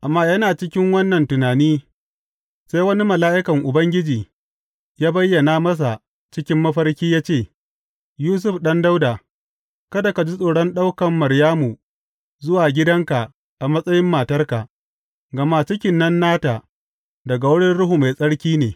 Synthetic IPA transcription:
ʔa˨mːaː˦jɐ˦naː˨t͡ʃɪ˦kʲɪ˦ŋwɐ˦nːɐ˨ntʊ˨naː˨niː˦ | saː˦jwɐ˦ni˦mɐ˨laː˦ʔɪ˦kɐ˨ŋʔʊ˨bɐ˦ŋɡʲɪ˦d͡ʒiː˨ | jaː˦bɐ˦jːɐ˨naː˨˦mɐ˦s̬a˨ | t͡ʃɪ˦kʲɪ˦mːɐ˦ɸɐ˦rkʲiː˦jaː˦t͡ʃeː˦˨ | juː˦s̬ʊ˦ɸɗɐ˦nda˦wda˨ | kɐ˦da˨ka˨d͡ʒi˦sʼoː˨ɽɔ˦nɗa˦wkɐ˨mːɐ˨ɾjaː˦mu˨ | zʊ˦waː˨ɡʲɪ˦dɐ˦ŋka˨ | ʔa˨mɐ˦sʼɐ˦jɪ˦mːaː˨tɐ˦rka˨ʔ | ɡɐ˨ma˦t͡ʃɪ˦kʲɪ˨nːɐ˦nːaː˦ta˨ | dɐ˨ɡa˨wʊ˦ɽɪ˦nɽʊ˦ɦu˨ma˨jsʼɐ˦ɽkʲiː˦neː˨

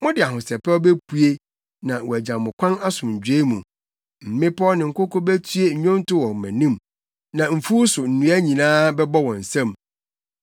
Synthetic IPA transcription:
mʊ̃˦dɪ˨a˨ɦʊ̃˨sɛ˨pɛ˦ɔ˦bæ˦pʰu˦e˦ | nã˨wɔ˨æ˨d͡ʑã˨mmʊ̃˨kʷʰã˦na˦sʊ̃˨ɲ̩˨d͡ʑᶣe˦mũ˨ | m̩˨mɪ̃˦pʰɔ˦nɪ̃˨ŋ̩˨kʊ˦kɔ˦bæ˦tʰɥe˦ɲ˨ɲᶣɔ̃˦n˦tʊ˦wɔ̃˨m̩˨mæ̰̃˨nĩ˦m | nã˨m̩˨fu˦sʊ˨n̩˨nũ˨˦æ˦ɲĩ˨nãː˦bɛ˦bɔ˦wɔ̃˨n̩˨sɛ̃˦m

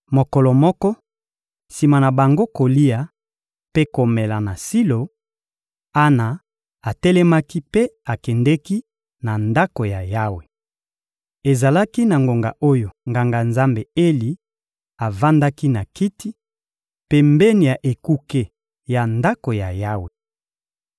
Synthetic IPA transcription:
mo˨kɔ˨lɔ˨mɔ˦kɔ˦ | si˨ma˨na˨ba˨ŋɡo˦ko˨li˦a˨ | pe˦ko˨mɛ˨la˨na˨si˦lo˨ | a˦na˨ | a˨tɛ˦lɛ˦ma˦ki˦pe˦a˨kɛ˨ndɛ˦ki˦ | na˨nda˦ko˨ja˨ja˦we˨ | e˨za˨la˦ki˦na˨ŋɡo˨ŋɡa̰˨ʔo˦jo˨ŋɡa˨ŋɡa˨nza˦mbe˨e˦li˨ | a˨va˦nda˦ki˦na˨ki˦ti˦ | pe˦mbɛ˦ni˨ja˨ʔe˨ku˦ke˦ | ja˨nda˦ko˨ja˨ja˦we˨

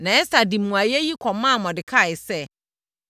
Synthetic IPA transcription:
nã˨ɛ˦sa˨di˨mũ˨a˨jɛ˦ji˦kʰɔ˨mã˦˨mɔ̃˨dɪ˨kʰa˦˨ɪ˨sɛ˦

